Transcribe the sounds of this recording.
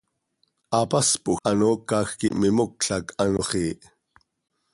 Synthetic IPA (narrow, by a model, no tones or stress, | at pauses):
ʔɑpɑspuʔxʔɑnoːkːɑːxkḭʔmɪmok̚ɬɑkɑnoχiːʔ